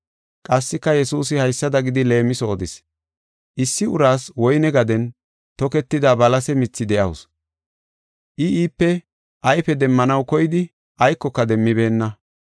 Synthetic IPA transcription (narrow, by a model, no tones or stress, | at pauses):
kʼɐsːɪkːɐjɛsuːsɪhɐjsːɐd̪ɐɡɪd̪ɪle̞ːmɪsoːd̪ɪs | ʔɪsːɪʊɾaːswɔjnɛɡɐd̪ɛn | t̪ɔkɛt̪ːɪd̪aːbɐlɐsɛmɪt͡sːɪd̪ɛʔɐwʊs | ʔɪiːpːɛ | ʔɐjfɛd̪ɛmːɐnɐwkɔjɪd̪ɪ | ʔɐjkːɔkːɐd̪ɛmːɪbe̞ːnːɐ